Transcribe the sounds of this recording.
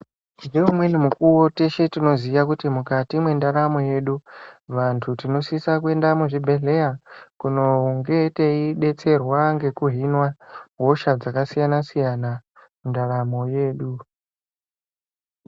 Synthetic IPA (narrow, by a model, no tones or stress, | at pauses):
ndeumwe̞nimukuwote̞ʃe̞tino̞zijakutimukatimwe̞ndaɾamo̞je̞ɗuʋantʰutino̞sisakue̞ndamuʐibʱe̞ɮe̞jakuno̞ŋɡe̞teiɗe̞t͡se̞rwaŋɡe̞kuɦinwaɦo̞ʃad͡zakasijanasijana | mundaɾamo̞je̞ːɗu